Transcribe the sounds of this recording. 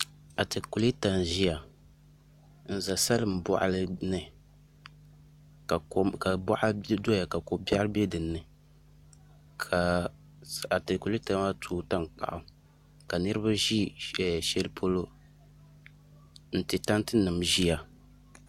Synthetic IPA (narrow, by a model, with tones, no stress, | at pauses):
a˨te˨ku˨li˦ta˨nʒi˦ja˨ | n̩˨za˨sa˦lɨ˦m̩˨bɔ˦˨ʔa̰˨lɨ˦nɨ˨ | ka˨˦ka˨bɔ˦ʔa˦do˦ja˨ka˨ko˨ba˦lbɛ˦dɨ˨nːɨ˨ | kʰa˨ | a˨te˨ku˨li˦ta˨ma˦tʰuː˦ta˦nk͡pa̰˨ʔʊ˨ | ka˨nɨ˦ɾɨ˦ba˦ʒi˦ɛ˨ʃɛ˦lpʰo˦lo˦ | n̩˦˨tɨ˨ta˦n˦tɨ˦nɨ˨mʒi˦ja˨